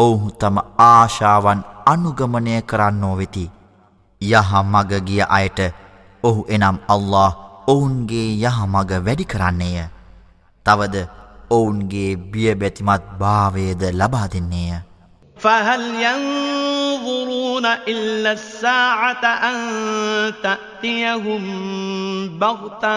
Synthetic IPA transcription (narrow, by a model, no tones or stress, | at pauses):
ouɦut̪aməaːʃaːʋananuɡɐmənəjəkəɾanːoːʋet̪i | jaɦamaɡəɡijəʔajəʈə | oɦuʔenamalːɑːɦounɡeːjaɦamaɡəʋæɖikəɾanːejə | t̪aʋəd̪əounɡeːbijəbæt̪imat̪̚baːʋejəd̪əlabaːd̪enːejə | faɦaljɑn | ðˤʊɾuːnaʔɪlːasːaːʕat̪ʔannt̪aʔt̪ijaɦʊm | bɑɣt̪a